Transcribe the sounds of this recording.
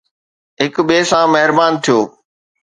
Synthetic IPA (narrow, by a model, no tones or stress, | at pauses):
ɦɪkɓeːsãmɐɦɪɾbaːnt̪ʰijoː